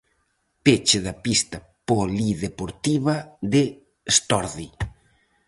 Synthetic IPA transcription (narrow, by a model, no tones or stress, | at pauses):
pet͡ʃeðapist̪ɐ | poliðepoɾt̪iβad̪e | st̪ɔɾði